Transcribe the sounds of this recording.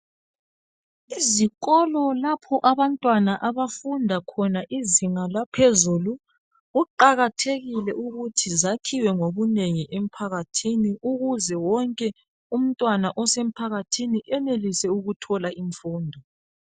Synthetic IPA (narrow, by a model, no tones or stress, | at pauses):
iziɣɔlɔlapʰɔʔaβantʼwanaʔaβafundʱakʰɔnaʔiziŋalapʰezulu | ɣuǃaɣatʰeɣilɛʔuɣutʰizakʰiwɛŋoβuneŋiʔem̩pʰaɣatʰiniʔuɣuzɛwɔŋkʼɛ | um̩tʼwanaʔɔsem̩pʰaɣatʰiniʔɛnelisɛuɣutʰɔlaiɱfuːndʱɔ